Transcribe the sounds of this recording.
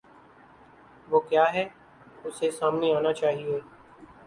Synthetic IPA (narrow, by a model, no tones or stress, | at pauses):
ʋoːkjaːɦɛː | ʊsesaːmneaːnat͡ʃaːɦieː